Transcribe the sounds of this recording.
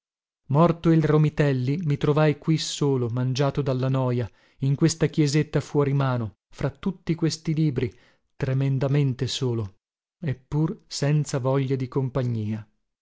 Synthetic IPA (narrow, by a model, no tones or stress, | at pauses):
mɔrt̪oilromit̪ɛlːimit̪ɾovajkwisoːlomand͡ʒaːt̪od̪alːanɔːja | iŋkwest̪ak̟jɛzet̪ːafwɔɾimaːno | fɾat̪ːut̪ːikwest̪iliːbɾi | t̪ɾemend̪ament̪esoːlo | epːursɛnt̪savɔʎːad̪ikompaɲːiːa